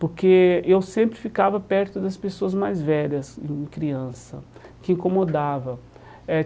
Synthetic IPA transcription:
poɾkeewsẽmpɾɪfikavɐpɛɾt̪ʊd̪ɐspesoɐzmajzvɛʎɐsḛ̃kɾiɐ̃sɐ̰kɪĩkomod̪avɐ | ɛ

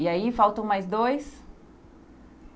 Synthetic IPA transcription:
ɪaifawt̪ɐ̃w̃majzd̪ojs

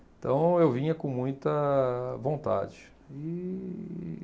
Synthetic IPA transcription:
ẽt̪ɐ̃w̃ewvĩɲɐkõmũj̃t̪ɐvõnt̪a̰d͡ʒɪ | i

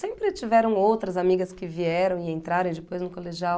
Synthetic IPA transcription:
sẽmpɾɪt͡ʃivɛɾɐ̃w̃owt̪ɾɐzamiɡɐskɪviɛɾɐ̃w̃ɪẽnt̪ɾaɾẽw̃d͡ʒɪpojznʊkoleʒiaw

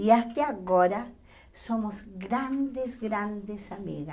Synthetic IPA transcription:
iast̪eaɣoɾa | somosɡɾand̪ezɡɾand̪esamḭɣa

